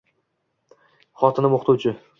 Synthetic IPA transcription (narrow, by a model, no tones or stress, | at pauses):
χɒt̪ʰɪnɪmoχt̪ʰʊwt͡ʃʰɪ